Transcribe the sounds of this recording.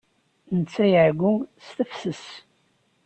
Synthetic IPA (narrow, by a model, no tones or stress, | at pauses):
nət͡sːæjəʕɡʷʊŋst̪əfsəs